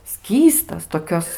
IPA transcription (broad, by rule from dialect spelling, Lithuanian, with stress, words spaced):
ˈsʲkʲiːstɐs toːˈkʲoːs